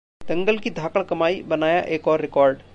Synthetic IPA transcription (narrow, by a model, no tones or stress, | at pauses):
t̪ɐ̃ŋɡəlkid̪ʱaːkəɭkɐmaːibɐnaːjaʔeːkɔːɾːɪkɔːɾɖ